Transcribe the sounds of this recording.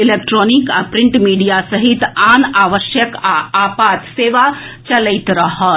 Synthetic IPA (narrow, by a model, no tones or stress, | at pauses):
ɪleːk̚ʈɾoːnika̰pɾɪ̃ɳʈmiːɖijasəɦit̪aːnaːʋəʃjəkaaːpaːt̪seːʋat͡ʃɐləɪt̪ɾɐɦə